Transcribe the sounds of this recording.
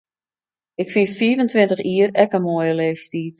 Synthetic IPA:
ɪkfinfiːvəntʋɪntəxiːərɛkəmoəjəleːfstiːt

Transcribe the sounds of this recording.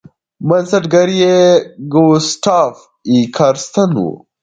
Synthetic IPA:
mɐnsɐʈɡɐɾijeɡosʈʰaf | ikʰɐɾst̪ɐnṵ

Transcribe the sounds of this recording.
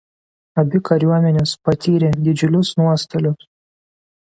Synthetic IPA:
ɐbʲɪkɐɾʲuɔmʲɛnʲɛspɐt̪ʲiːɾʲed̪ʲɪd͡ʒʲʊlʲʊsnuɔst̪ɐlʲʊs

